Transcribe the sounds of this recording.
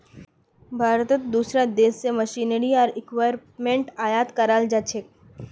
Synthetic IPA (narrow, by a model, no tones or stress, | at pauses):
bʱaːɾt̪ət̪d̪uːsɾad̪eːsːemɐʃiːnəɾiɔːɾɪkʋaːɾ | mẽɳʈaːjaːt̪kɐɾaːld͡ʒaːt͡ʃʰek̚